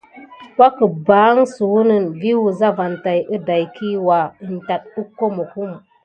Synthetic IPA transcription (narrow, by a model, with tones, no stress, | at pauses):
wʷa˦kə˨baː˨˦ŋsu˨wu˦nɨ˦nvi˦wu˨za˦va˨nta˨jʔɨ˦da˨jki˦wa˨ɨ˨n̩˨ta˨t̚u˦ko˦mə˨ku˦m